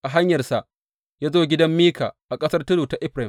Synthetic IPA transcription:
ʔa˨ɦa˦ɲjɐ˨rsa˨ʔ | jaː˦zoː˦ɡʲɪ˦dɐ˦mːiː˦ka̰ː˨ʔa˨kʼɐ˦sɐ˦rtʊ˦luː˨ta˦ʔɪ˦ɸɾɛ˨m

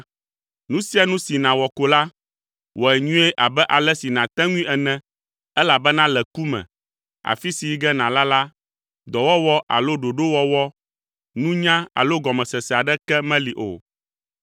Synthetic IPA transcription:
nũ˦si˦a˨nũ˦si˨nã˨wɔ˨ko˨la˦ | wʔɔ˨ɛ˨ɲũ˦e˦ʔa˨bɛ˦ʔa˨lɛ˦si˨nã˨t̪ɛ̃˦ŋũ˦ĩ˦ʔɛ˨nɛ̃˨ | ɛ˦la˨bɛ˦nã˦lɛ˨ku˦mɛ̰̃˨ | a̰˨fi˦si˨ji˦ɡɛ˦nã˨la˦la˦ | d̪ɔ˨wɔ˦wɔ˦ʔa̰˨lo˦ɖo˨ɖo˦wɔ˦wɔ˦ | nũ˦ɲã˦a̰˨lo˦ɡɔ˨mɛ̃˨sɛ˨sɛ˨a˨ɖɛ˦kɛ˦mɛ̃˦li˨ʔo̰˨

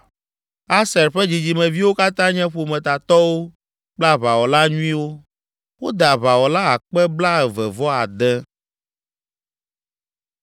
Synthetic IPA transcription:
a˦sɛ˨ɾɸɛ˦d͡ʑi˨d͡ʑi˨mɛ̃˨vi˦wo˦ka˦t̪ã˦ɲɛ̃˦ɸo˨mɛ̃˨t̪a˨t̪ɔ˦wo˦ | k͡pla˦˨βa˨wɔ˨la˦ɲũ˦ĩ˦wo˦ | wo˦d̪a˨βa˨wɔ˨la˦a˨k͡pɛ˦bla˦ɛ˨vɛ˨vɔ˦a̰˨d̪ɛ˦

